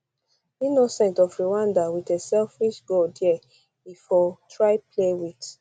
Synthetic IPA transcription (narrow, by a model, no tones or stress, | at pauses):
inosɛ̃ntɔfɹiwãndawitɛsɛlfiʃɡɔdjɛ | bifɔtʰɹaɪplewit